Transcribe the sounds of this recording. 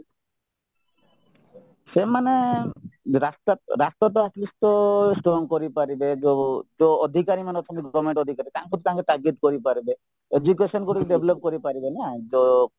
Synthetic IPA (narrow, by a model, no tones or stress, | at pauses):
ʃemane | ɾast̪aɾast̪ɔt̪̬ɔaslist̪ɔsʈɾoŋkoɾipaɾibed͡ʒod͡ʒood̪ʱikaɾimaneɔt̪ʰɔmiɡɔʋameɳʈɔd̪ʱikaɾit̪aŋpɔt̪ʰit̪aŋket̪aɡit̪koɾipaɾibe | ed͡ʒukesɔnɡuʈiɖebʱlop̚koɾipaɾibenad͡ʒo